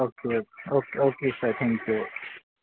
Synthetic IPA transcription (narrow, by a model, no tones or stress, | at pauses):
okʰeokokʰesat̪ʰɛ̃ŋkʰju